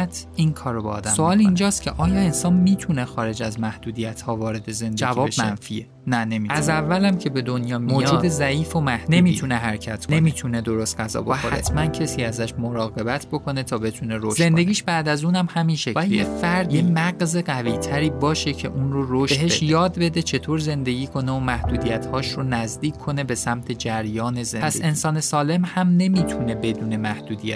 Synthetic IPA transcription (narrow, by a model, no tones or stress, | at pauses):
t̪ʰinkʰɒːɾobeɒ̰d̪æsoɒːlind͡ʒɒːst̪cʰe̞ʔɒːjɒːe̞nsɒːnmiːt̪ʰune̞xɒːɾe̞d͡ʒæzmæhd̪uːd̪ijæt̪ʰhɒːvɒːɾe̞d̪e̞ze̞nd̪eæviɒːeʃmænfiːe | næne̞miæzævːælæmcʰe̞be̞d̪o̞njɒːmimoːjd͡ʒɒuːd̪ezæʔiːfomæhd̪neu̞miːt̪ʰuneɦæɾcʰæt̪ʰkʰne̞miːt̪ʰune̞d̪o̞ɾost̪̚ɢæzɒ̰ːboæoɾæt̪ʰmæncʰesiːæzæʃmoɾɒːɣe̞bæt̪ʰbo̞kʰo̞ne̞t̪ʰɒːbe̞t̪ʰuneɾoʃze̞nd̪e̞ɡʲiːʃbæːd̪æzuːnæmhæminʃecæefæɾd̪jemæɡzeɡæviːt̪ʰæɾiːbɒːʃe̞cʰe̞̰ʔuːnɾoɾoʃeɦe̞ʃjɒːd̪be̞d̪e̞t͡ʃʰe̞t̪ʰoːɾze̞nd̪e̞ɟiːkʰo̞neomæhd̪̥uːd̪ijæt̪hɒːʃɾonæzd̪iːcʰːo̞ne̞be̞sæmt̪ʰe̞d͡ʒæɾjɒːne̞zenpʰæse̞nsɒːne̞sɒːle̞mhæmne̞miːt̪ʰune̞be̞d̪uːne̞mæhd̪uːd̪ijæ̰t̪